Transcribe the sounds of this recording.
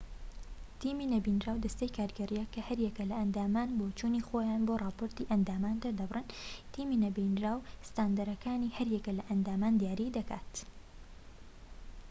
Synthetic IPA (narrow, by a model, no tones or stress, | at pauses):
t̪iːminɐbinɾaːwd̪ɐst̪ejkʰaːɾɡɐɾijɛkːɐhɐɾjɛkɐlɐʔɐnd̪aːmaːnboːt͡ʃunixoːjaːnboːrɑːpoɾt̪iʔɐnd̪aːmaːnd̪ɐɾd̪ɐbrɨnt̪iːmiːnɐbinɾaːwst̪aːnd̪ɐɾɐkʰaːnihɐɾjɛkɐlɐʔɐnd̪aːmaːnd̪ijaːɾiːd̪ɐka̰ːt̪